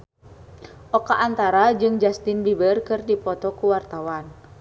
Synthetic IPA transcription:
ʔɔkaʔːnt̪aɾad͡ʒɨŋd͡ʒast̪ɪnbibərkɨrdipɔt̪ɔkuwart̪awan

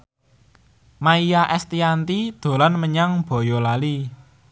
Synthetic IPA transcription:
maijaʔɛst̪iant̪id̪̥o̤lanməɲaŋb̥ɔ̤jɔlali

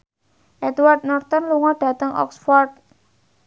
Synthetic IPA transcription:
ʔɛt̪ward̪̚nɔrt̪ɔnluŋɔɖ̥ä̤t̪əŋʔɔ̰ksfɔrd̪̚

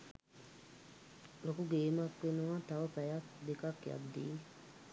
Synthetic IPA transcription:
lokuɡeːmakʋenuʋat̪aʋəpɛjakd̪ekakja̰d̪ːiː

